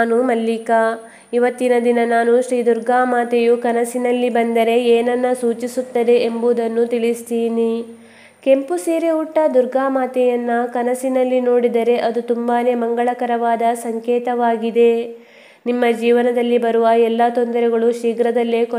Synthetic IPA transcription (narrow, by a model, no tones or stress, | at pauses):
aːnumɐlːika | iʋɐt̪ːinɐd̪inɐnaːnuʃɾiːd̪uɾɡaːmaːt̪ɛjukɐnɐsinɐlːibɐnd̪ɐɾe̞eːnɐnːɐsuːt͡ʃisut̪ːɐd̪e̞embuːd̪ɐnːut̪iɭist̪iːni | ke̞mpuseːɾeuʈːɐd̪uɾɡaːmaːt̪ɛjɐnːɐkɐnɐsinɐlːino̞ːɽid̪ɐɾe̞ʔɐd̪ut̪umbaːne̞mɐŋɡɐɭɐkɐɾɐʋaːd̪ɐsɐŋkɛːt̪ɐʋaːɡid̪e̞ | nimːɐd͡ʒiːʋɐnɐd̪ɐlːibɐɾuʋɐɛlːɐt̪ond̪ɐɾɛɡɐɭuʃiːɡɾɐd̪ɐlːek